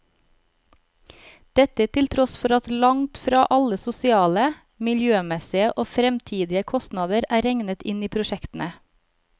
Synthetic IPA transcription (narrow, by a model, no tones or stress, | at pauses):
d̪̥ɛt̪ət̪ʰɪlt̪ʰɾɔsfɔɾɑt̪lɑŋt̪fɾɑːʔɑləsʊsɪɑːlə | mɪljøːmɛsɪəʔoːfɾɛmt̪ʰiːd̪ɪəkʰɔst̪nɑːd̪əɾæːɾɛŋnət̪ɪniːpʰɾʊʃɛkt̪n̩ə